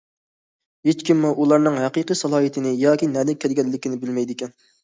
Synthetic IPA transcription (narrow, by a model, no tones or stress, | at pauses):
ɦet͡ʃkʲimːuʔulˠɑɾnɨŋɦɛqiqɨjsɑlˠɑːjit̪ʰɪnɪjɑːkʲinɛːd̪ɪkʲʰɛɾɡʲɛlːɪkʲinɪbɪlmɛjd̪ɪkʲɛn